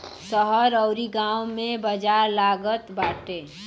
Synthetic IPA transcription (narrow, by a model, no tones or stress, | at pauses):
səɦəɾɔʊɾiɡãːwmẽbəd͡ʒaːɾlaːɡət̪baːʈeː